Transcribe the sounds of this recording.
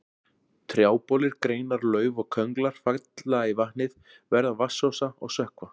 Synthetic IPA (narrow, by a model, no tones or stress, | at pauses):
t̪ʰɾjaːwpɔlɪɾkɾeːjnaɾlœːɥvɔɣkʰœŋklaɾ̥fakt̪laaivahnɪð | vɛɾðavasːɔsaɔ̰ɣsœhkva